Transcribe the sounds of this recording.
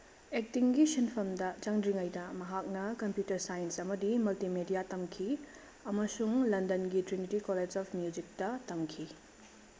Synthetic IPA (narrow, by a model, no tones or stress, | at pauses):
ek̚tiŋɡisinpʰɐmdɐt͡ʃɐŋdiŋɐjdɐmɐɦak̚nɐkɐmpjutɐɾsajinsɐmɐdimultimedijatɐmkʰi | ɐmɐsuŋlɐndɐnɡitɾinitikoled͡ʒɔpʰmjud͡ʒik̚tɐtɐmkʰi